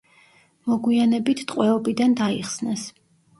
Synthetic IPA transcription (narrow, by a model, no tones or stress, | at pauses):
mɔɡwianɛbit̪ʰt̪ʼqʼwɛɔbid̪and̪aiχsnɛs